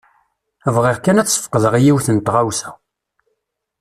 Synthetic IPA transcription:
vʁeʁkænæt͡sːə̥fqəðəʁijiwθənt̪ʁawsæ̥

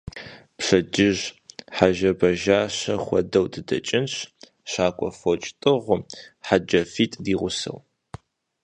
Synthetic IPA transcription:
pʂɐd͡ʒɪʒħaʒɐbɐʒaːɕɐχʷɔ̰dɐwdʰɨdɐ̰t͡ʃʼɪnɕ | ɕaːkʷʼɔfot͡ʃʼtʼɨʁʷʊmħad͡ʒɐfiːtʼdiːʁʷʊsɐ̰w

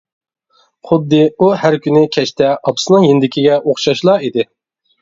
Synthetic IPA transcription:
χʊd̪ːɨuhæɾkʲynɪkʲʰɛʃt̪ʰɛʔɑpʊ̥snɨŋjend̪ɪkʲʰiɡʲɛʔoχʃɑʃlˠɑːid̪ɪ

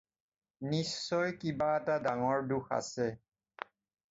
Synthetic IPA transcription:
nisːɔjkibaɛtadaŋɔɹduxa̰sɛ

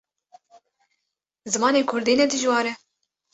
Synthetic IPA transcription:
zɨmɑːneːkʰʊɾd̪iːnɛd̪ɨʒwɑːɾɛ

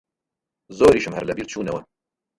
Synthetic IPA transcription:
zoːɾiːʃɨmhɛ̰ɾlɛbiːɾt͡ʃʰuːnɛwɛm

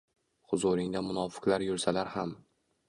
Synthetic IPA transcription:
hʊzʊɾɪŋd̪amʊnɒfɪ̥klaɾjʊɾsalaɾham

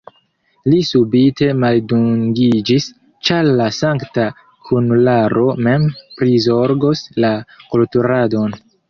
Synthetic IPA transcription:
lisubite̞malduŋɡid͡ʒis | t͡ʃaɾlasaŋkta | kunlaɾo̞me̞mpɾizo̞ɾɡoslakultuɾado̞n

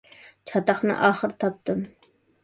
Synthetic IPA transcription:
t͡ʃʰɑt̪ɑχnɨ̰ʔɑːχəɾt̪ʰɑp̚t̪ɨm

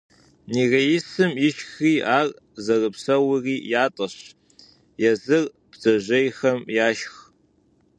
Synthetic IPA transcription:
niːrɐjɪsɨmjɪʃxiːʔaːr | zɐrɨpsɐwɨriːjaːtʼɐɕ | jɛzɨr | b̥z̥ɐʑɐjxɐmjaːʃx

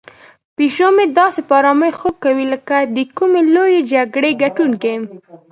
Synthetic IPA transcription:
piʃomed̪ɑsepɑɾɑməjxoɡ̚kːawiləkad̪əkumelojed͡ʒaɡɽeɡaʈunkem

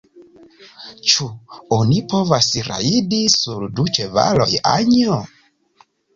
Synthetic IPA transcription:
t͡ʃuɔnipʰɔvasiɾa̰idisuɾdut͡ʃɛva̰lɔja̰ɲɔ

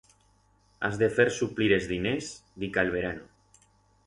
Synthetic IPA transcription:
a̰zðefeɾsupliɾezðinezd̪ikaelβ̞eɾanu

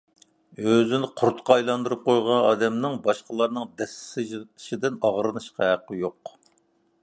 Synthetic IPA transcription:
øzɪnɪqʰʊɾt̪qɑɑjlˠɑnd̪uɾɨp̚qʰojʁɑnɑːd̪ɛmnɨŋbɑʃqəlˠɑɾnɨŋd̪ɛsɪ̥sɪʒt̪ʰɨ̥ʃid̪ɪnɑʁɾɨnɨʃqɑɦæqːəjoq

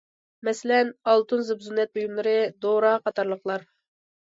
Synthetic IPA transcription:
mɛsɪlɛnɑlˠt̪unzɨbzunːɛt̪̚bujumlˠɨɾɨd̪oɾɑqɑt̪ɑɾlˠəχlˠɑɾ

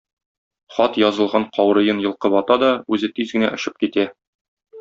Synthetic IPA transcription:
χɒt̪jɒzɤ̆lˠʁɑɴqʰɒwɾɤ̆jɤnjɤ̆lˠqɤpɒt̪ɑd̪ɒʉzɘt̪izɡɘ̆næ̰ʔŏɕɤp̚kit̪æ

